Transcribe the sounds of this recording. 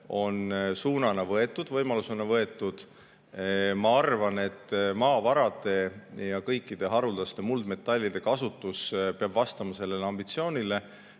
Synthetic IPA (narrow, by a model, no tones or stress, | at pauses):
o̞nsuːnɑnɑvɤe̞t̪ːˑud̪̥vɤjmɑlusunɑvɤe̞t̪ːˑud̪̥ | mɑɑrvɑne̞t̪ːmɑːvɑɾɑd̪̥e̞jɑkɤjkːid̪̥e̞ɦɑɾuld̪̥ɑst̪e̞muld̪me̞t̪ːˑɑlʲːid̪̥e̞kɑsut̪ːuspeɑbvɑst̪ɑmɑse̞lːe̞leɑmb̥it̪sio̞ːnʲile̞